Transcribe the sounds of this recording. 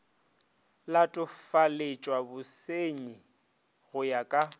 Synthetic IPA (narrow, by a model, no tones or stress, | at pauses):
latʼʊfalet͡ʃʼwabʊseɲi | ɣʊjakʼa